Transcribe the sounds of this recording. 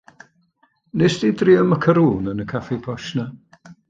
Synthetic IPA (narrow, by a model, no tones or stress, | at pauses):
nesd̥idriəməkʰəɾuːnənəkʰafibʰɔʃna